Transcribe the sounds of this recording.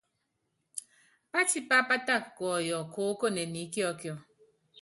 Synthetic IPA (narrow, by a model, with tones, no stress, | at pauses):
pa˦ti˦pa˦pa˦ta˦˨kkːɔ˨jɔ˨ko˨˦ko˦˨ne˨ni˨˦kjɔ˦kjɔ˨